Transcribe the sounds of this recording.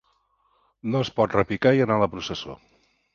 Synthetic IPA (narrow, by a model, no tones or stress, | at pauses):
noəspɔt̪rəpikaiənaləpɾusəso̰